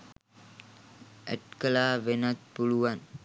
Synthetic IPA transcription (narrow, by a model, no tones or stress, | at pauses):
ɛʈkəlaːʋenat̪̚puɭuʋan